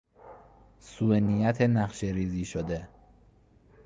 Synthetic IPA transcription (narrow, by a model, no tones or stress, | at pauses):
suːenijæt̪ʰenæχʃeɾiːziːʃod̪e